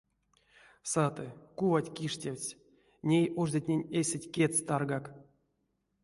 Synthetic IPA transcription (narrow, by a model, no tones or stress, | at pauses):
sat̪ɨkuvatʲkʲiʂtʲewʲsʲ | nʲejʔuʐd̪ʲatʲnʲenʲesʲetʲkʲet͡st̪arɡak